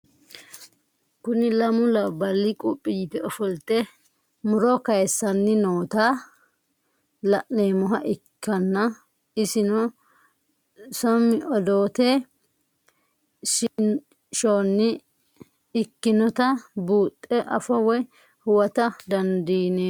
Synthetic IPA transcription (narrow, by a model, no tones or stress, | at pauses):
kʊnɪlɐmʊlɐbɐlːɪkʼʊpʼːɪjɪpɛɔfɔlt̪ɛ | mʊɾɔkɐjɛsːɐnːɪnoːt̪aː | lɐʔneːmɔɦɐʔɪkʰːɐnːɐ | ɪsɪnɔ | sɔmːɪʔɔd̪oːt̪e | ʃ | ʃoːnːɪ | ɪkːɪnɔt̪ɐbuːt̪ʼːɛʔɐfɔwɔj | hʊwɐt̪ɐd̪ɐnd̪iːne